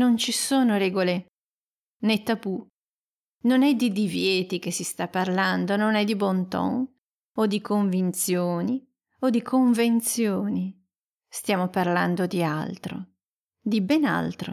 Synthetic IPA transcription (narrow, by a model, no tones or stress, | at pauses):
nont͡ʃisoːnoɾɛːɡole | net̪ːabu | nonɛd̪id̪ivjɛːt̪ik̟esːist̪apːarland̪ononɛd̪ibont̪ɔ̰ŋ | od̪ikoɱvint̪sjoːni | od̪ikʰoɱvent̪sjoːni | st̪jaːmoparland̪od̪ia̰lt̪ɾo̰ | d̪ibɛna̰lt̪ɾo̰